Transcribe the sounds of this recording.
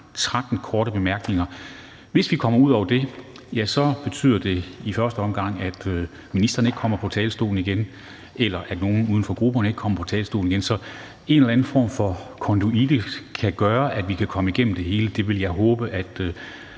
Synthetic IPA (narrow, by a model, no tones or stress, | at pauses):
t͡sʰʁaɡ̥n̩kʰɒːɾ̥əb̥e̝mæɐɡ̥ne̝ŋɐ | ʋe̝sʋikʰɒ̽m̰ɐuð̰ˠɒʊ̰ɐd̥e̝ | jæsɒ̽b̥e̝t͡sʰy̰ð̰ˠɐd̥e̝ifɶɐsd̥əɒ̽mɡ̥ɑ̈ŋ̰æd̥ | minisd̥ʁɐːne̝ɡ̥kʰɒ̽m̰ɐpʰɒ̽t͡sʰɛ̰ːlsd̥o̝̰ːln̩iɡ̥en | ʔelɐʔæd̥no̝ːn̩uðˠn̩fɒ̽ɡ̥ʁub̥ɐnəe̝ɡ̥əkʰɒ̽mɐpʰɒ̽t͡sʰɛːlsd̥o̝̰ːln̩iɡ̥ensɒ̽ | e̝nelæn̩fɒ̰ːmfɒ̽kʰɒ̽nduid̥əkʰæɡ̥ɶːɐʔæd̥ʋikʰækʰɒ̽məiɡ̥en̰m̩d̥e̝ɦe̝ːləd̥e̝ʋe̝ljɑ̈ɪɦɔ̽ːb̥əʔæd̥